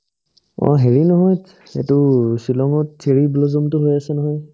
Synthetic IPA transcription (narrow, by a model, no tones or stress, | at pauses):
ɔ̰ɦeɹinɔɦɔj | ḛtʊsilɔŋɔt̚sʰeɹiblɔzɔmtʊɦojasɛnɔɦɔj